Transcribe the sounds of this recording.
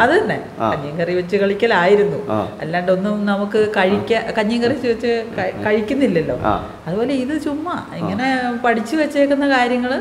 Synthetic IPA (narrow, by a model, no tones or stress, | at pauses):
ɐðɨt̪ɐnːḛ | kɐɲːɐŋɡɐriʋɐt͡ɕːɨkɐɭikʲːɐlaːjiɾunːuḛlːaːɳɖo̞nːumnɐmukːɨkɐɻikʲːɐkɐɲːɐŋɡɐrit͡ɕːɨʋet͡ɕːɨkɐkɐɻikʲːunːilːɐlːo̞̰ː | ɐðubo̞ːle̞iðɨt͡ɕumːɐ | iŋːɐne̞pɐʈʰit͡ɕːɨʋet͡ɕːeːkːunːɐkaːɾjɐŋːɐɭ